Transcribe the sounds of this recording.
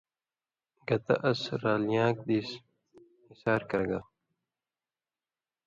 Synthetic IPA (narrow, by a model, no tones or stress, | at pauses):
ɡɐt̪ɐ̰ʔɐsɾaːlijãːk̚d̪iːs | isaːɾkɐɡa